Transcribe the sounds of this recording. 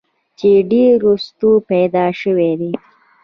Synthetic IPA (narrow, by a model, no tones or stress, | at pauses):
t͡ʃeɖeɾost̪upajd̪ɑʃəwed̪e